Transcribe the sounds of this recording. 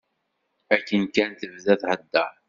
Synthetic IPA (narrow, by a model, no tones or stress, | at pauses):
ækːənkænt̪əvðæθhəd̪ːə